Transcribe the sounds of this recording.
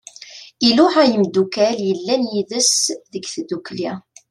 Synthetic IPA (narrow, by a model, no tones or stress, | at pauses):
iluħæjəmd̪ukæljəlːænjiðəsðəɡθd̪ukli